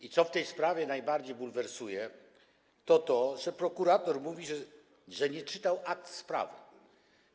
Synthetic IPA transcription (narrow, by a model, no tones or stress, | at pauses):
it̪sɔft̪ɛjspɾavʲjɛnajbaɾd͡ʑejbulvɛɾsujɛ | t̪ɔt̪ɔʐɛpɾɔkuɾat̪ɔɾmuvʲiʐ | ʐɛɲɛt͡ʂɘt̪awʔak̚t̪spɾa̰vɘ̰